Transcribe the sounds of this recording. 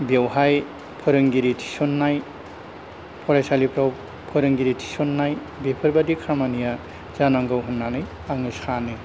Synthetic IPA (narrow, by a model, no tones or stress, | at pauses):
bewhaj | pʰɯɾɯŋɡiɾitʰi̥sɔnːaj | pʰɔɾajsalipʰɾaw | pʰɯɾɯŋɡiɾitʰi̥sɔnːaj | bepʰɯɾbadikʰamanija | zanaŋɡɯwɦɯnːanɯj | aŋɯskʰanɯ